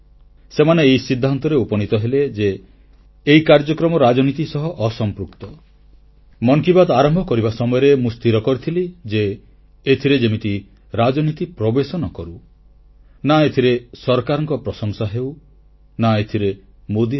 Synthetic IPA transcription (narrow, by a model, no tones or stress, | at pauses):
semaneːisid̪ʱːant̪ɔɾeupɔnit̪ɔɦeled͡ʒeː | ikaɾd͡ʒɔkɾɔmɔɾad͡ʒɔnit̪isɔɦɔʔɔsɔmpɾuk̚t̪ɔ | mɔŋkibad̪aɾɔmbʱɔkɔɾibasɔmɔjɔɾemust̪iɾɔkɔɾit̪ʰilid͡ʒeː | t̪ʰiɾed͡ʒemit̪i | ɾad͡ʒɔnit̪ipɾɔbesɔnɔkɔɾu | naet̪ʰiɾesɔɾkaɾɔŋkɔpɾɔsɔŋsaɦew | naet̪ʰiɾe | mod̪i